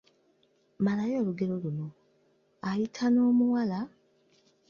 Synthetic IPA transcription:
malajo̞ːluɡe̞ɾo̞luno̞ | ajitʰano̞ːmuwala

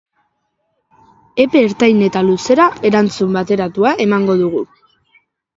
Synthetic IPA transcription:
e̞pe̞ːɾt̪ajne̞t̪aluse̞ɾae̞ɾant͡sumbat̪e̞ɾat̪uaʔe̞maŋɡo̞ðuɣ̞u

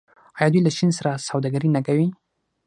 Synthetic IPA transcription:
ɑjɑd̪ujlaʃinsaɾasawd̪aɡaɾinakawi

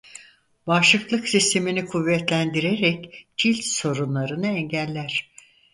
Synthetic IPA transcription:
baːʃlˠɯklˠɯksist̪ʰe̞minikʰuvːɛt̪lʲænd̪iɾeɾɛcd͡ʒilʲt̪so̞ɾunlˠaɾɯnɯɛɲɟælʲːæɾ̥

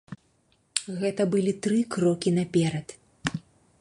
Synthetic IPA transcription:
ɣɛt̪ɐbɨlʲit̪ɾɨkɾɔkʲinɐpʲɛɾɐt̪

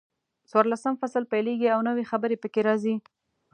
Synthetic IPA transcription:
swɑɾlasəmfasəlpajleɡiawnəwexabəɾepəkeɾɑzi

